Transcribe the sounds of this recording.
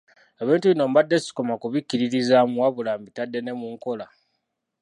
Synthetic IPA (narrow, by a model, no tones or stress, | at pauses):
e̞βiːntuβino̞mbadːe̞si̥ko̞makuβikːiɾiɾizamuwaβulaːmbitadːe̞ne̞muŋko̞la